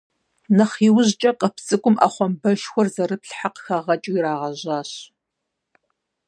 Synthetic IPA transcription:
nɐχiːwʊʑt͡ʃʼɐqʼəpʰt͡sʼɨkʷʼʊmʔa̰ːχʷɔmbɐʃxʷɔrzɐrɨpɬħaqəxɐʁɐt͡ʃʼiiɾaːʁɐʑɑːɕ

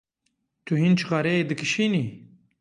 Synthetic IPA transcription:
t̪ʰuɦint͡ʃʰqɑɾɛeːd̪ɨkɨʃiːniː

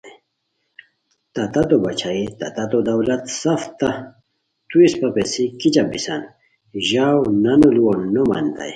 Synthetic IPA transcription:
t̪ɐt̪ɐt̪obɐt͡ɕʰait̪ɐt̪ɐt̪od̪ɐwlɐt̪sɐft̪ɐ | t̪uispɐpesikit͡ɕabisan | ʑawnɐnuluonːomɐ̰nd̪a̰j

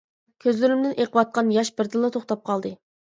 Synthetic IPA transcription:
kʲʰøzlyɾymd̪ɪnʔeqʰəwɑt̪̚qɑnjɑʃbɪɾd̪ɨlˠːɨt̪ʰoχt̪ɑp̚qʰɑlˠd̪ɨ

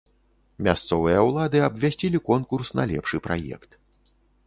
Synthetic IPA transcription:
mʲast̪sɔvɨjɐwlˠad̪ɨɐbvʲasʲt͡sʲilʲikɔnkursnɐ̰lʲɛ̰pʂɨpɾajɛ̰kt̪

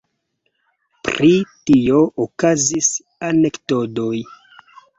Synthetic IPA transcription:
pɾitio̞ʔokazis | ane̞ktodo̞j

